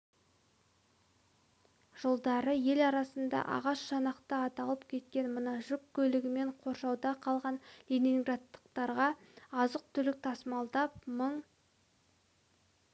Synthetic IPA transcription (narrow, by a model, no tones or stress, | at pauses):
ʒ̥olˠd̪ɑɾəje̞lɑɾɑsənd̪ɑ̰ʔɑ̰ʁɑʃʃɑnɑqt̪əɑt̪ɑlˠəpkʲʰe̞t̪̚kʲe̞nmənɑʒʏkʲkʰʲːɵlɪɡʲɪme̞ɴqʰo̞ɾʃɑwd̪ɑqʰɑlˠʁɑnlʲenʲiŋɡrat̪ːə̥qt̪ɑɾʁɑɑzəq̚t̪ʰʏlɪk̚t̪ʰɑsmɑlˠd̪ɑp̚məɴ